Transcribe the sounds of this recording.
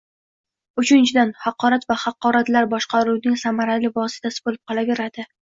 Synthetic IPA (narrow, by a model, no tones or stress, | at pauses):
ʊt͡ʃʰɪnt͡ʃʰɪd̪anhɑqʰːɒɾat̪vahɑqːɒɾat̪laɾbɒʃqʰɑɾuwnɪŋsamaɾalɪvɒsɪ̥t̪ʰasɪ̥bolɪp̚qʰɒlˠave̞ɾad̪̥ɪ